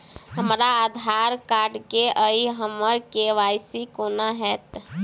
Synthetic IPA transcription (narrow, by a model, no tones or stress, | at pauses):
ɦəmɾaad̪ʱaːɾkaːɾɖkeʔəiɦəməɾkeʋajsikonaɦɛt̪